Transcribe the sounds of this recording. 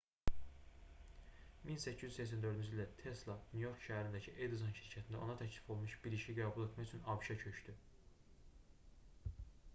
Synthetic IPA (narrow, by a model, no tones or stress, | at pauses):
minsæcʰːizyssæcs̬ænd̪ø̞ɾd̪ynd͡ʒild̪æt̪ʰe̞slˠɑnujo̞ɾkʃæɦæɾind̪æcʰiʔed̪izonʃiɾcʰæt̪ʰind̪æ̰o̞̰nɑt̪ʰæcʰli̥fo̞lˠmuʃb̥iɾiʃiɡæːbulˠet̪ʰmɑyt͡ʃʰynɑbʃɑcʰø̞ʃt̪y